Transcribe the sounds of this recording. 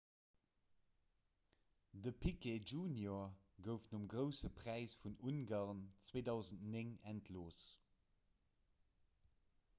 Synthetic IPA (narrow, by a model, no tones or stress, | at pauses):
dəpʰiked͡ʒuːnjoɐ | ɡəʊfnumɡʁəʊsəpʁ̥æɪsfununɡaːʁnt͡sweːdɑʊzən̩tneŋæntʰloːs